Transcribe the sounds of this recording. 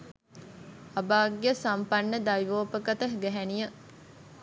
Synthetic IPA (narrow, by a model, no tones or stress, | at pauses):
ɐbaːɡejəsampɐnːəd̪ajʋoːpəkət̪əɦɡæɦænijə